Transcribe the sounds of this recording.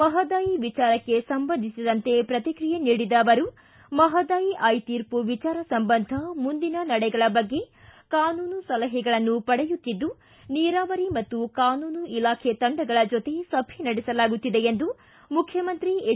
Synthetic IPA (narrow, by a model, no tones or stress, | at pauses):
ɐɦɐd̪aːjiʋit͡ʃaːɾɐkːe̞sɐmbɐnd̪ʱisid̪ɐnt̪e̞pɾɐt̪ikɾijeniːɽid̪ɐːʋɐɾu | mɐɦɐd̪aːjiʔajt̪iːɾpuʋit͡ʃaːɾɐsɐmbɐnd̪ʱɐmund̪inɐnɐɽɛɡɐɭɐbɐɡːe̞ | kaːnuːnusɐlɐɦɛɡɐɭɐnːupɐɽɛjut̪ːid̪ːu | niːɾaːʋɐɾimɐt̪ːukaːnuːnuʔilaːkʰet̪ɐɳɖɐɡɐɭɐd͡ʒot̪e̞sɐbʱinɐɽɛsɐlaːɡut̪ːid̪e̞end̪u | mukʰjɐmɐnt̪ɾi